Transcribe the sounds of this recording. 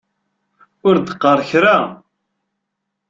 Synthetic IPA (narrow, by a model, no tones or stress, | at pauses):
ʊɾd̪əqːəɾˤçɾa